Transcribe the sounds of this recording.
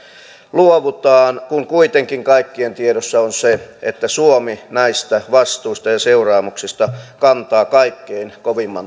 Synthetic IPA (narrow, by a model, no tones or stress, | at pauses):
luoʋut̪ɑːnkuŋkuit̪eŋkiŋkɑikːient̪ieɾosːɑonseḛt̪ːæsuominæist̪æʋɑst̪uːst̪ɑjɑseurɑːmuksist̪ɑkɑnt̪ɑːkɑikːeinkoʋimːɑn